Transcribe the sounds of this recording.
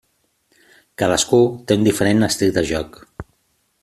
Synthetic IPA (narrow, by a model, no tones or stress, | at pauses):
kaðəskut̪eund̪ifəɾenːəst̪ikd̪əʒɔk